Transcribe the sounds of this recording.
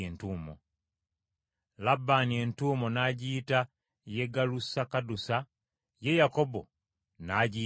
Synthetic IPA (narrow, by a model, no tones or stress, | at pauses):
eːntuːmo̰ | labːanientuːmo̞naɟiːta | je̞ɡalusakadusa | je̞jako̞bo̞̰ | naːɟiː